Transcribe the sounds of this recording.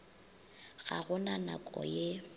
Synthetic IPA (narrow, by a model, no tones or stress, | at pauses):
ɣa̰ɣʊnanakʼɔ̰je